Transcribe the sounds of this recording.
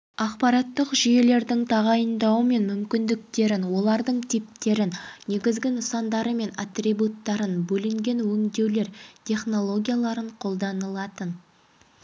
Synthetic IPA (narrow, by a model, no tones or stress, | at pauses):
ɑqpɑɾɑt̪ːəqʒije̞le̞ɾd̪ɪŋt̪ʰɑʁɑjənd̪ɑwəme̞nmʏmkʲɪnd̪ɪk̚t̪e̞ɾɪnwo̞lˠɑɾd̪əɴt̪ʰip̚t̪e̞ɾɪnːe̞ɡʲɪzɡʲɪnəsɑnd̪ɑɾəme̞nat̪rʲibut̪ːɑɾənbɵlɪŋɡʲe̞nwɵŋd̪e̞wle̞ɾt̪ʰʲe̞χno̞lˠo̞ɡʲijalˠɑɾəɴqʰo̞lˠd̪ɑnəlˠɑt̪ən